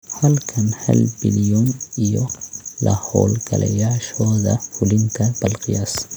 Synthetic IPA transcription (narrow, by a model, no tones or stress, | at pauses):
hɐlkʰɐnhɐ̰lbɪljɔnijɔlɐ̰hɔ̰ːlɡɐlɛ̰jaːʃɔːðɐ̰fʊlɪŋkʰɐb̥ɐlqɪjaːs